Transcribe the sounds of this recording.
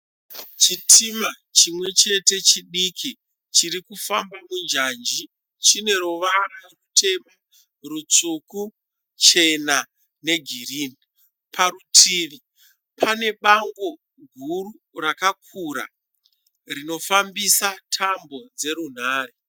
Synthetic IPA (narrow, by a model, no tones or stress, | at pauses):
t͡ʃitʰima | t͡ʃimwe̞t͡ʃe̞te̞t͡ʃiɗikʰi | t͡ʃirikufambamund͡ʒand͡ʒi | t͡ʃine̞ɾoʋararutʰe̞ma | rut͡suku | t͡ʃe̞na | ne̞ɡʱiriːni | pʰarutʰiːʋi | pʰane̞ɓaŋɡo̞ | ɡʱuru | rakak̚ʰuɾa̰ | rino̞fambisatʰambo̞d͡ze̞ɾun̤aːre